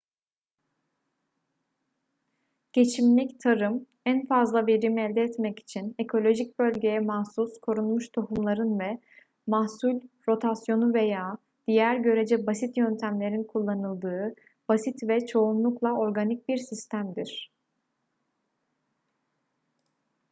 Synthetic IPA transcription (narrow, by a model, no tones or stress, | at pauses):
ɟ̥e̞t͡ʃʰimlʲict̪ʰaɾɯm | ænfazlˠave̞ɾimɛlʲd̪ɛːt̪mɛci̥t͡ʃʰine̞kʰo̞lʲo̞ʒic̚bø̞lʲɟe̞jɛmahsuskʰo̞ɾunmuʃt̪ʰo̞humlˠaɾɯnvɛ | mahsulʲɾo̞t̪ʰasjo̞nuve̞jaː | d̪̥ijæɾɟø̞ɾe̞d͡ʒɛbasit̪jønt̪ʰæmlʲe̞ɾinkʰulˠːanɯlˠd̪ɯː | b̥asit̪vɛt͡ʃʰo̞unlˠuklˠao̞ɾɡanic̚biɾsist̪ʰæmd̪iɾ̥